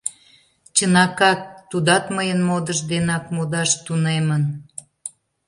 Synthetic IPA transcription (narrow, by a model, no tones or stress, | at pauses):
t͡ɕənɑkɑt̪ːud̪ɑt̪məjənmod̪əʒd̪enɑk̚mod̪ɑʃt̪unemən